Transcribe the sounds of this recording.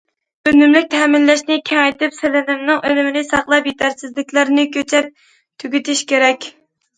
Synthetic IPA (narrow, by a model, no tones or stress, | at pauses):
ønɪmlɪk̚ʲt̪ʰɛmɪlːɛʃnɪkʲʰɛŋɛjt̪ɪpselɪnɪmnɨŋønɪmɪnɪsɑχlˠɑpjet̪ʰæɾsɪzlɪkʲlæɾnɪkʲʰøt͡ʃʰɛp̚ | t̪ʰyɡʲyt̪ʰɪʃkʲeɾɛkʲ